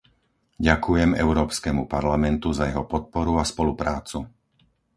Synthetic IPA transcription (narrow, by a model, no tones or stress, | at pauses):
ɟakujɛmɛ̰ʊɾɔːpskɛmupaɾlamɛnt̪uzajɛɦɔpɔt̪̚pɔɾuaspɔlupɾaːt͡su